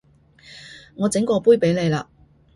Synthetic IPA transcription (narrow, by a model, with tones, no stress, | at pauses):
ŋɔː˨˧t͡sɪ˨˥ŋkɔː˧puː˥jpe˨˥jle˨˧jlaː˧